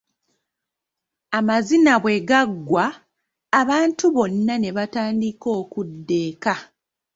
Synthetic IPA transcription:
amazinaβwe̞ɡaɡːwaː | βaːntuβo̞nːane̞βataːndiko̞ːkudːe̞ːka

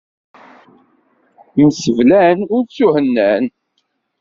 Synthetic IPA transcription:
msəvlænʊɾt͡sːuhənːæn

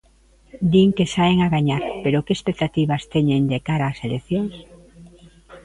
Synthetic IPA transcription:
d̪iŋkesaeŋaɣaɲaɾpeɾokespek̚t̪at̪iβast̪eɲend̪ekaɾaːselekθjoŋs

